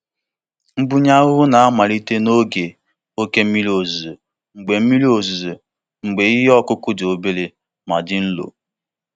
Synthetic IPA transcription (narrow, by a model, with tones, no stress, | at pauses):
ŋ͡m̩˦ɡ͡bu˦ɲa˦ɣʊ˦na˨a˦ma˨ɾi˦te˦no˦ɡe˨ | o˦ke˦m̩˦mi˦lo˨zo˨ | ŋ͡m̩˨ɡ͡be˨m̩˦mi˦li˦o˨z | ŋ͡m̩˨ɡ͡be˨i˦ɦe˦ɔ˦kʊ˦kʊ˦do˨be˦le˨ | ma˨dɪ˦n̩˦lo̰˨